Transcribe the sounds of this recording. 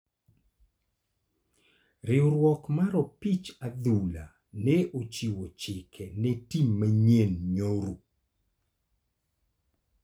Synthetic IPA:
ɾɪoɾwɔkmaɾɔpit͡ʃad̪ula̰ | nɛot͡ʃiwot͡ʃɪkʰɛnɛtimːaɲenɲoɾu

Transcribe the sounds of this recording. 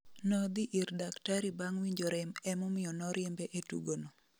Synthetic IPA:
nɔd̪iʔiɾdaktaɾibaŋwiɲd͡ʒoɾɪmɛmɔmɪjɔnɔɾjɛmbɛʔetṵɡono

